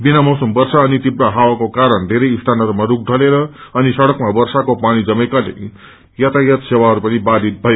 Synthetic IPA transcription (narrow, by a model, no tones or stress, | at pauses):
binamʌwsʌmbʌrsaʌnit̪ibɾaɦawakokaɾʌɳd̪ʱeɾʌjist̪ʰanʌɾmaɾuk̚d̪ʱʌleɾʌʌnisʌɽʌkmabʌrsakopaɽ̃id͡zʌmejkalḛ | jʌt̪ʰajʌt̪sewaɦʌɾupʌnibad̪ʱit̪̚bʱʌj